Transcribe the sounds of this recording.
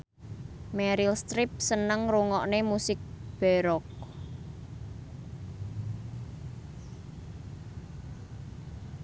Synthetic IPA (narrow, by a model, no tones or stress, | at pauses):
mɛɾilst̪ɾɪp̚sənəŋruŋɔʔnemusɪk̚b̥ɛ̤ɾɔk̚